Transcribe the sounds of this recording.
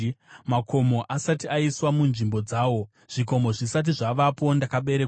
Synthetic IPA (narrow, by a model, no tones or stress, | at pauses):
makʰo̞mo̞ʔasatiaiswamunʐimbo̞d͡zaːwo̞ | ʐ̥iko̞mo̞ʐisat̬iʐaʋapo̞ndakaɓe̞ɾek